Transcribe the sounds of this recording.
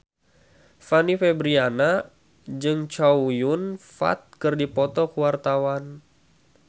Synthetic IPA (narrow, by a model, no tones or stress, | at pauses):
fanifɛbɾiana | d͡ʒɨŋt͡ʃaujunfa̰t̪̚kɨrdipɔt̪ɔkuwart̪awan